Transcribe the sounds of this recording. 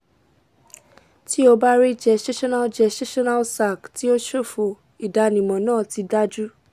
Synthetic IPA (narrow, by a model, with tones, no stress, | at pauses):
ti˦o˧ba˦ɾi˦d͡ʒɛ˧ʃe˦ʃɔ˦na˦d͡ʒɛ˧ʃe˦ʃɔ˦na˦lsa˦˨kti˦o˦ʃo˦˨fu˧ | i˨da˨nĩ˨mɔ̃˨nãː˦˨ti˧da˦d͡ʒu˦